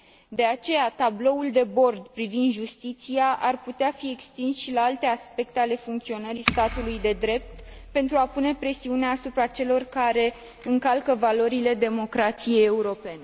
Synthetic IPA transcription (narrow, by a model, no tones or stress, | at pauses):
d̪e̞at͡ʃe̞jat̪ablo̞uld̪e̞bo̞rd̪pɾivind̪ʒust̪it̪siaʔarput̪eafie̞kst̪insʃilaalt̪e̞aspe̞k̚t̪e̞ale̞fuŋkt̪sio̞nəɾist̪at̪ulujd̪e̞d̪ɾe̞p̚t̪pe̞nt̪ɾuapune̞pɾe̞siuneaːsupɾat͡ʃe̞lo̞rkaɾe̞ | ɨŋkalkəvalo̞ɾile̞d̪e̞mo̞kɾat̪sije̞je̞uɾo̞pe̞ne̞